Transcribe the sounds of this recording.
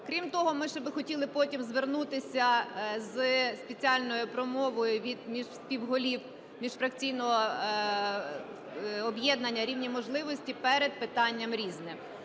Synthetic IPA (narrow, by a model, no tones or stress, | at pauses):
kɾʲimt̪ɔɦɔmɪʃt͡ʃɛbɪxɔtʲilˠɪpɔtʲimzʋernut̪ɪsʲɐzspet͡sʲiɑlʲnɔjʊpɾɔmɔʋɔjʊʋʲid̪mʲiʒspʲiwɦɔlʲiw | mʲiʃfɾɐkt͡sʲijnɔɦɔ | ɔbjɛd̪nɐnʲːɐɾʲiwnʲimɔʒlˠɪʋɔsʲtʲipɛɾed̪̚pɪt̪ɑnʲːɐmɾʲiznɪm